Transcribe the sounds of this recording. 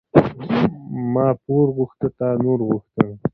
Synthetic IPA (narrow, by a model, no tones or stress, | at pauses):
mɑːpoɾɣuxt̪ət̪ɑːnuɾɣuxt̪ə